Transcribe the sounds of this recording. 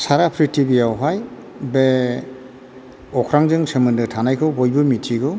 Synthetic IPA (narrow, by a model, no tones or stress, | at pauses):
saɾapʰɾitʰibijawɦaj | be | ɔkʰɾaŋzɯŋsɯmɯndɯtʰanajkʰɯwbɔjbɯmitʰiɡɯ